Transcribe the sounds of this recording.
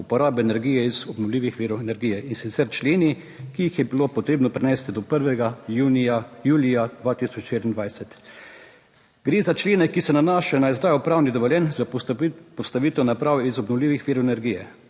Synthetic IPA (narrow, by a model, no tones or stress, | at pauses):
upɔɾaːbɛːnɛɾɡijɛizɔbnɔwliːʋixʋiːɾɔwɛnɛɾɡiːjɛinsit̪sɛɾt͡ʃleːni | kiːixjɛbilopɔt̪ɾeːbnɔpɾɛnɛːst̪id̪ɔpəɾʋɛɡajuːniajuːlijad̪ʋat̪isɔt͡ʃʃeɾind̪ʋajsɛt̪ | ɡɾeːzat͡ʃleːnɛkisɛnanaːʃɛnaizd̪aːjɔpɾaːwnid̪ɔʋɔljɛnzapɔst̪aʋiːt̪ɛwnapɾaːwizɔbnɔwliːʋixʋiːɾɔwɛnɛɾɡijɛ